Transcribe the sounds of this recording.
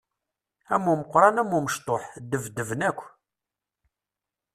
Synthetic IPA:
æmːuməqɾˤɑnæmːuməʃt̪ˤoħd̪əvd̪ːəvnækʷː

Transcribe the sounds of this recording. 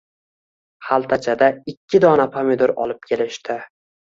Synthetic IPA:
halˠt̪ʰat͡ʃʰad̪aɪkʲːɪd̪ɒnapʰamɪd̪oɾɒ̰lˠɪp̚kʲʰe̞lɪʃt̪ɪ

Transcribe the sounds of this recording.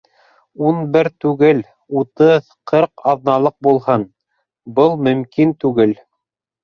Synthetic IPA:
unbɘɾt̪ʉɡɘl | ut̪ɤð | qʰɤɾqɑðnɑlˠɤq̚bulˠhɤn | bɤlˠmɵ̆mkint̪ʉɡɘl

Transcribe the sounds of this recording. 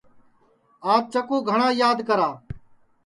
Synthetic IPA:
aːt̪̚t͡ʃəkõːɡʱəɳãːjaːd̪kəɾaː

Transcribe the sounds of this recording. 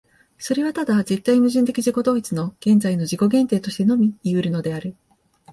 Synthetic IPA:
so̞ɾe̞βat̪ad̪aze̞t̪ːainɯʑĩnt̪̬e̞kʲiʑiko̞d̪o̞ːit͡sɨno̞ɡ̥ẽ̞nd͡zaino̞ʑiko̞ɡẽ̞nt̪e̞ːt̪o̞ɕi̥t̪e̞no̞mʲiːɯ̟ɾɯ̟no̞d̪e̞aɾɯ̟

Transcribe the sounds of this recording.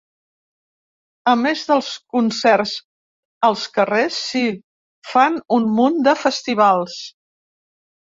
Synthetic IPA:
əmezðəlˠskunsɛrz | əlˠskəresːi | fanunmund̪əfəst̪iβ̞alˠs

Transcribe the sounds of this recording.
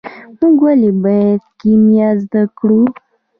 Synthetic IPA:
muɡwalebajad̪̚kimjazd̪akɽu

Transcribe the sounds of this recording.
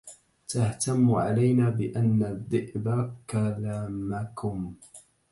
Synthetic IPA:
t̪aht̪amːʕa̰lajnaːbɪʔanːad̪ˤːɨʔbakalaːmakʊm

